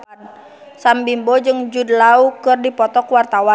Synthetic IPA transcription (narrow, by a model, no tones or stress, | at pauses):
n | sambimbɔd͡ʒɨŋd͡ʒudlaukɨrdipɔt̪ɔkwart̪awa